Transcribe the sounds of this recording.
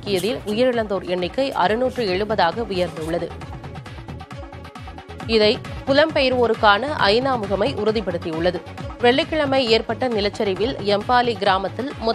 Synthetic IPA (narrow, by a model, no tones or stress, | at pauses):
kːɪjɐðɪlʊjɐɾɪɭɐnd̪oːɾɛɳːɪkːɐɪʔɐɾɯnuːʈrɯɛɻɯbɐðaːɣɐʋʊjɐɾnd̪ɯʊɭːɐðɯ | ɪðɐɪpʊlɐmpɛjɪɾʋoːɾɯkːaːnɐʔɐ̰ɪnaːmɯɣɐmɐɪʔʊɾʊðɪpɐɽɯt̪ːijʊɭːɐðɯʋɛɭːɪkːɪɭɐmɐɪeːɾpɐʈːɐnɪlɐt͡ʃːɐɾɪʋɪlɛmpaːliɡɪɾaːmɐt̪ːɪlmʊ